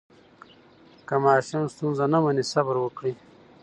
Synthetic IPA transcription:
kamaːʃanst̪unzanamanisabaɾwəkɽi

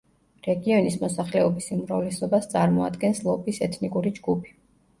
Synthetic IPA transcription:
ɾɛɡiɔnismɔsaχlɛɔbisiumɾavlɛsɔbast̪sʼaɾmɔa̰d̪ɡɛnslˠɔpʰʼisɛt̪ʰnikʼuɾid͡ʒɡupʰi̥

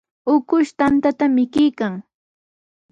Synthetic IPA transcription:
ʊkʊʃt̪ant̪at̪amɪkɪjkaŋ

